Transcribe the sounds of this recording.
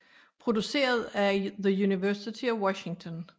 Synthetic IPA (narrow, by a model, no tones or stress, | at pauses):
pʰʁo̝d̥use̝̰ːɐð̞ˠæðəjuniʋæɐsit͡sʰiɒwɒɕɪŋt͡sʰɔ̽n